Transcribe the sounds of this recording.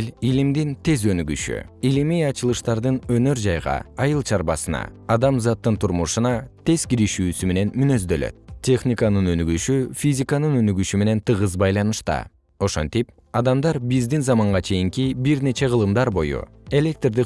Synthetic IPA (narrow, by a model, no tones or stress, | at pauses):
lʲilimd̪int̪ʰe̞zø̞nyɡy̰ʃy̰ilimijɑt͡ʃɯlˠɯʃt̪ɑɾd̪ɯnø̞nø̞ɾd͡ʒɑjʁɑ̰ɑjɯlˠt͡ʃʰɑɾbɑsɯnɑ̰ɑd̪ɑmzɑt̪ːɯnt̪ʰuɾmuʃunɑt̪e̞z̥kiɾiʃyːsyme̞ne̞nmynø̞zd̪ø̞̰lø̰t̪̚tʲːe̞xnʲikanɯnø̞nyɡyʃyfʲizʲikanɯnø̞nyɡyʃyme̞ne̞nt̪ʰɯʁɯzbɑjlˠɑnɯʃt̪ɑ̰ | o̞ʃont̪ip | ɑd̪ɑmd̪ɑɾbizd̪inzɑmɑɴʁɑt͡ʃʰe̞jiŋkibiɾne̞t͡ʃe̞ʁəlˠɯmd̪ɑɾbo̞jṵ | e̞lʲe̞k̚t̪rd̪i